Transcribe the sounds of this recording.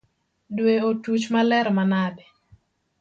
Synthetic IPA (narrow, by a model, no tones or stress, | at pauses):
dweotut͡ʃmalɛɾmanadɛ